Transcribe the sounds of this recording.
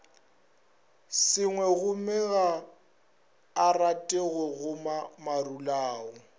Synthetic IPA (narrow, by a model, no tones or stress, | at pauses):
sɪŋwɛɣʊmɛɣa | ratʼeɣʊɣʊmamarulaːɔ